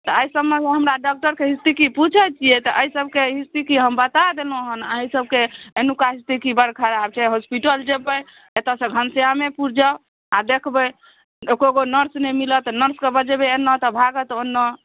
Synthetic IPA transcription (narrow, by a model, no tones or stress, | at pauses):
t̪ɔəisəbmeɦəmɾaɖɔk̚ʈəɾkeɦist̪ikiput͡ʃʰət͡ʃʰijet̪ɔʔəisəb̚keɦist̪ikiɦəmbət̪ad̪elũɦənəɦisəb̚keenukaɦist̪ikibəɽkʰaɾab̚t͡ʃʰaɦospiʈəld͡ʒebəj | et̪asə̃ɡʱənseɦamepuɾd͡ʒə | ad̪ekʰbə | ekoɡonəɾsnɛmilət̪nəɾskebəd͡ʒebeenːət̪ɔbʱaɡət̪onːɔ